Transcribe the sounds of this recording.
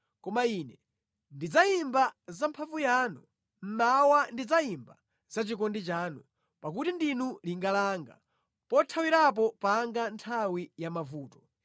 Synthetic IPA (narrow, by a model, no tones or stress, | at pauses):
kɔmainɛ | ndid͡zaimbazampʰavujanu | m̩mawandid͡zaimba̰ | zat͡ʃikɔndit͡ʃaːnu | pak̬utindinuliŋɡalaːŋɡa̰ | pɔtʰawiɾap̬ɔpaŋɡantʰawijamavuːtɔ̥